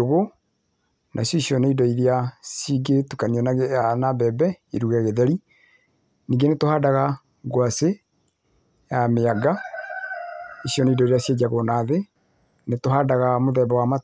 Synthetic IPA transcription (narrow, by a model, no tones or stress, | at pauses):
oɣo | nʔa̰isjɔisjɔneidɔiɾiasiɡetukaniɔnanabɛbɛiɾuɣɛɣeðɛɾi | niːɡenetohaːdaɣa | ɡwase | jameaɡa | esjɔneidɔiɾiasjed͡ʒaɣonaðe | netoɦaːdaɣamoðɛbawama